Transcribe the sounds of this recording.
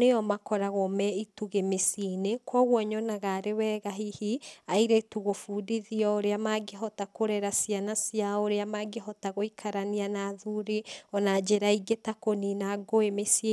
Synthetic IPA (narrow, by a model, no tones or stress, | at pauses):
neɔmakɔɾaɣomɛituɣemesinekwaɣwɔɲɔnaɣaɾewɛːɣaɦihiaiɾetuɣofuːdiðiɔoɾeamaɡeɦɔtakoɾɛɾasianasiaoɾeamaɡeɦɔtaɣoikʰaɾanianaðuɾeɔnad͡ʒeɾaiɡetakoninaɡoemesie